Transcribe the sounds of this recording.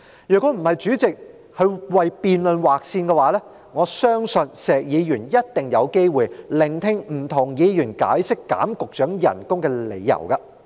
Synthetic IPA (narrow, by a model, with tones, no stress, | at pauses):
jœː˨kːɔ˨˧˥m̩˨˩hɐ˨jt͡ʃyː˨˥t͡sɪ˨k̚ | hɵ˨˧ɥwɐ˨jpiː˨nlɵ˨nwaː˨k̚siː˧nkɛː˧waː˨˥lɛː˥ | ŋɔː˨˧sœː˥ŋsɵ˧nsɛː˨k̚jiː˨˧jyː˨˩njɐ˥t̚t̪ɪ˨ŋjɐ˨˧wke˥jwuː˨jlɪ˨˩ŋt̪ʰɪ˥ŋm̩˨˩t̪ʰʊ˨˩ŋjiː˨˧jyː˨˩nka̰ː˨˥jsɪ˥kːa̰ː˨˥mkʊ˨k̚t͡ʃœː˨˥ŋjɐ̰˨˩nkʊ˥ŋkɛː˧le˨˧jːɐ̰˨˩wkɐ˧